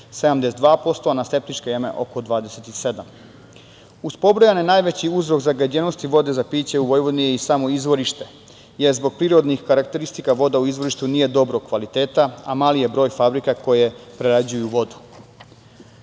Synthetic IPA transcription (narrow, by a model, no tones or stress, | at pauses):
sed̪amd̪esed̪ʋaːpo̞st̪oanast̪e̞p̚t̪it͡ʃkejeme̞̰ʔo̞̰kod̪ʋaːd̪ese̞t̪ise̞d̪am | uspo̞bɾojanenaːjʋe̞t͡ɕiuzɾo̞kzaɡad͡ʑeno̞st̪iʋo̞d̪e̞zapiːt͡ɕe̞uʋo̞jʋo̞d̪nijeisamoizʋo̞ɾiʃt̪e̞ | jeɾzbo̞ɡ̚pɾiːɾo̞d̪nixkaɾakt̪e̞ɾist̪ikaʋo̞d̪auizʋo̞ɾiʃt̪uniːje̞d̪o̞bɾokʋalit̪eːt̪aamaːlije̞bɾo̞ːjfabɾikako̞je̞pɾeɾad͡ʑujuʋo̞d̪u̥